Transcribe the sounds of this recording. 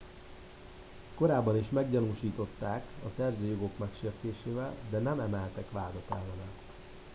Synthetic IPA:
ko̞ɾaːbːɒniʃmɛɡɟɒnuːʃiːt̪o̞t̪ːaːkɒsɛrzøːjoɡo̞kmɛkʃeːrt̪eːʃeːvɛld̪ɛnɛmɛmɛlt̪ɛkʋaːd̪ɒt̪ɛlːɛnɛl

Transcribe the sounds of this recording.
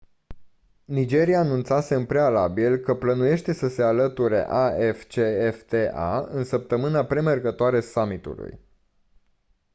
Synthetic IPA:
nid͡ʒe̞ɾijaːnunt̪saseɨmpɾe̞alabilkəplənuje̞ʃt̪e̞səse̞alət̪uɾe̞̰ʔaeft͡ʃe̞eft̪e̞ʔa̰ɨ̰nsəp̚t̪əmɨnapɾe̞merɡət̪oaɾe̞samit̪ṵlṵj

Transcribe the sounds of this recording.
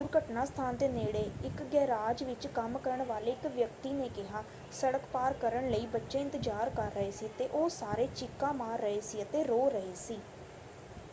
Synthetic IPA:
uːɾkəʈnaːst̪ʰaːnd̪eːneːɽeːɪkɡɛːɾaːd͡ʒʋɪt͡ʃkəmkəɾəɳʋaːleːɪkʋjəkt̪iːneːkɪɦaː | səɽəkpaːɾkəɾəɳləiːbətːʃeːɪ̃nt̪ɪd͡ʒaːɾkəɾːəɦeːsiːt̪eːʔoːsaːɾeːt͡ʃɪkːãːmaːɾːəɦeːsiːət̪eːɾoːɾəɦeːsiː

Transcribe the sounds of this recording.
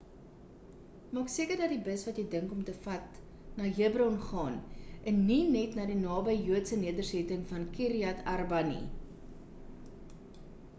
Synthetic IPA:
mɑːksiəkərdɐtdibəsvɐtjəjdəŋkɔmtəfɐt | nɑːɦəəbrɔnχɑːnʔənːinɛtnɑːdinɑːbəjjuətsəniədərsɛtəŋfɐnkiɾiɐtɐrbɐnḭ

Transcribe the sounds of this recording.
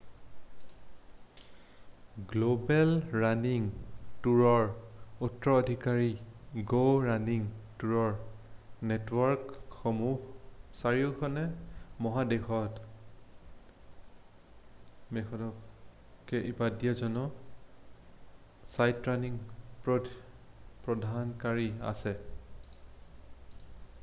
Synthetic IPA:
ɡlobɛlɹaniŋtuɹɔɹutɹɔːdʱikaɹiɡoɹaniŋtuɹɔɹnetwɔɹkxɔmuhsaɹiʊkʰɔnɛmɔɦadexɔt | mexʰɔtɔ | kɛʔipadijazɔnɔ | sajtɹaniŋpɹɔ | pɹɔdʱankaɹia̰sɛ

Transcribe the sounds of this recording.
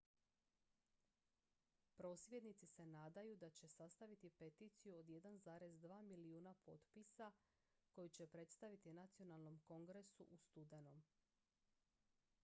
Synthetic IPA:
pɾo̞ːsʋʲje̞d̪nit̪sise̞naːd̪ajud̪at͡ɕe̞sast̪aʋit̪ipe̞t̪iːt̪sijuod̪je̞d̪anzaːɾe̞zd̪ʋaːmiliuːnapʰo̞t̪pisa | ko̞jut͡ɕe̞pɾe̞t̪st̪aʋit̪inat̪sio̞nalˠno̞mko̞ŋɡɾe̞sṵʔust̪ud̪e̞nom

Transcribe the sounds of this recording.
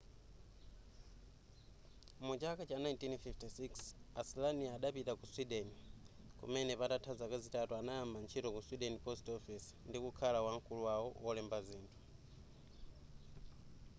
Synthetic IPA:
mut͡ʃakat͡ʃanajntinfiftisiksaslaniaːɗapitakuswiɗɛni | kṵmɛnɛpatatʰazakazitatuanajambant͡ʃʰitɔkuswiɗɛnipɔstɔfisndikukʰalawaŋ̩kuluwawɔwɔlɛmbaziːntʰu̥

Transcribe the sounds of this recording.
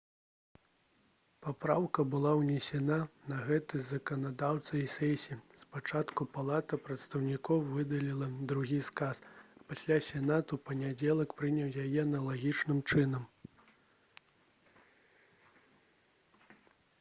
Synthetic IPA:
papɾawkɐbɨlˠawnʲɛsʲɛnanɐɣɛt̪ɨzɐkɐnad̪awt̪sɐisʲɛsʲiispat͡ʂat̪kupalˠat̪ɐpɾɐt̪st̪ɐwnʲikɔwvɨd̪ɐlʲilˠɐd̪ɾuɣʲiskasɐpasʲlʲasʲɛnat̪upɐnʲad͡zʲɛlˠɐkpɾɨnʲɐwjajɛnɐlˠaɣʲit͡ʂnɨmt͡ʂɨnɐm

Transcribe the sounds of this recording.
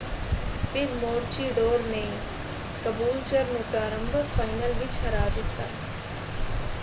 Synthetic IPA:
fid̪moːɾt͡ʃiɖoːɾneː | kɐbuːlt͡ʃɐɾnupɾaːɾɐmbʱɐfɐjnɐlʋit͡ʃɐɾaːd̪it̪ːɐ̰

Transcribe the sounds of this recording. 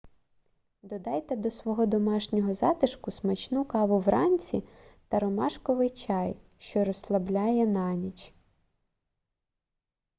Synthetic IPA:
d̪ɔd̪ɑjt̪ɛd̪ɔsʋɔɦɔd̪ɔmɑʃnʲɔɦɔzɑt̪ɪʃkʊsmɐt͡ʃnukɑʋʊʋɾʔɑnʲt͡sʲi | t̪ɐɾɔmɑʃkɔʋɪjt͡ʃɑj | ʃt͡ʃɔɾɔslˠɐblʲɑjɛnɑnʲit͡ʃ

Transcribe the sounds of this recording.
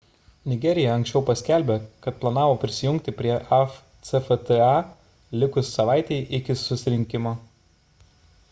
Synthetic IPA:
nʲɪɡʲɛɾʲɪjɛɐ̃ŋksʲt͡ʃʲɛʊpɐsʲkʲæˑlʲbʲekɐt̪̚plˠɐnɑːʋoːpʲɾʲɪsʲɪjʊŋʲk̚ʲt̪ʲɪpʲɾʲiɛʔɛf | t̪sɛfɛt̪ɛɑ | lʲɪkʊsːɐʋɑˑɪt̪ʲɛɪʔɪkʲɪsʊsʲɪɾʲɪŋʲkʲɪmoː

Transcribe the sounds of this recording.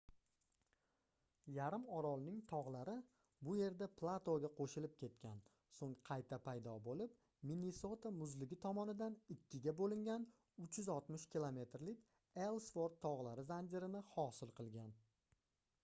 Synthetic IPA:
jaɾɪmɒɾɒlˠnɪŋt̪ʰɒʁlˠaɾɪ | bʊje̞ɾd̪apʰlˠat̪oɡʲaqʰoʃɪlɪp̚kʲʰe̞t̪̚kʲʰan | soŋqʰɑjt̪ʰapʰajd̪ɒbolɪp | mineso̞t̪amʊzlɪɡʲɪt̪ʰɒmɒnɪd̪anɪkʲːɪɡʲabolɪŋɡʲan | ʊt͡ʃjʏzɒlˠt̪mɪʃkʲilˠome̞t̪ɾlɪkʲ | elˠsfoɾt̪ʰːɒʁlˠaɾɪzand̪ʲeɾɪnɪhɒsɪlˠqʰɨlˠɡʲan

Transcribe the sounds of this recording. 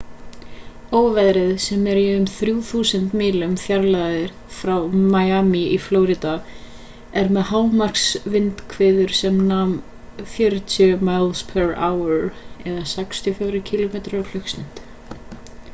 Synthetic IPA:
oːwvɛðɾɪðsɛmɛɾiʏmθɾjuθuːsənt̪mɪːlʏmθjaɾlaðɪɾ̥ | fɾawmajaːmiiflowɾɪt̪a | ɛɾmɛðɦaːwmar̥ksvɪnt̪kʰvɪːðʏɾ̥sɛmnam | fjœɾt̪ʰjʏmajlspʰɛɾaːwɛɾɛðasajkst̪ʰjɔfjaːwɾɪcʰilomeːt̪ɾfl̥ʏksnɪn̥t̪

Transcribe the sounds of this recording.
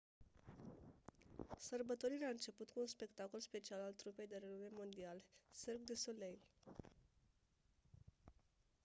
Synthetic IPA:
sərbət̪oɾiɾeaɨnt͡ʃe̞put̪kuːnspe̞kt̪ako̞lspe̞t͡ʃialalt̪ɾupe̞jd̪e̞ɾenume̞mo̞nd̪ialserɡd̪esolejl

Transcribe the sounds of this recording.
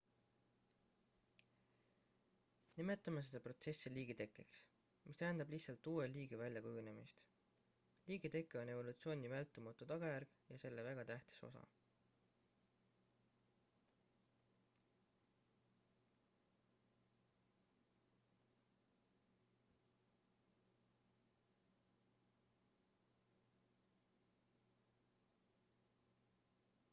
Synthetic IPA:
nime̞t̪ːˑɑmes̬e̞d̪̥ɑpro̞t̪se̞sːiliːɡ̥et̪e̞kːˑeks | mʔist̪æend̪ɑblihtsɑlt̪ːuːeliːɡ̥evælʲjɑkujune̞mist̪ | liːɡ̥et̪e̞kːˑeo̞ne̞vo̞lut̪sio̞ːnʲivælt̪ːˑumɑt̪ːˑut̪ɑɡ̥ɑjærɡ̥jɑse̞lːe̞væɡ̥ɑt̪æht̪i̥so̞̰sɑ̰

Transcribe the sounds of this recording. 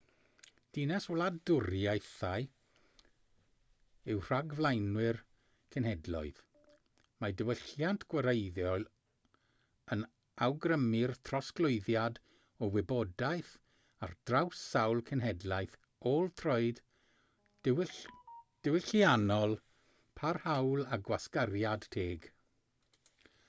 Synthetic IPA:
d̥inɛswlˠadʊɾjajθaj | ɪwr̥aɡvlˠajnwɪr | kʰənhɛdlˠɔ̰ɨð | madəwəɬjantʰɡ̥wəɾejðjɔl | ən | awɡrəmɪrtʰrɔsklˠʊɨðjad | ɔwɪbɔdajθ | ard̥rawsawlˠkʰɛnɦɛdlˠajθ | olˠtʰroɨd̥ | d̥ɪwɪɬianɔlˠ | pʰarhawlˠaɡwaskarjad̥tʰeːɡ

